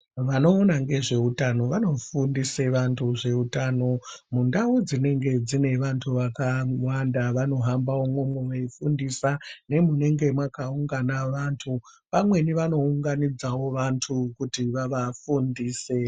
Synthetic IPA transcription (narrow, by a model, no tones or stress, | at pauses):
ʋano̞ːnaŋɡe̞ʐe̞utano̞ʋano̞fundiseʋantʰuʐe̞utaːno̞mundaud͡zine̞ŋɡe̞d͡zine̞ʋantʰuʋakawandaʋano̞ɦambawomwomweweifundisane̞mune̞ŋɡe̞mwakauŋɡanaʋantʰu | pamwe̞niʋano̞uŋɡanid͡zawo̞ʋantʰukutiʋaʋafundiːse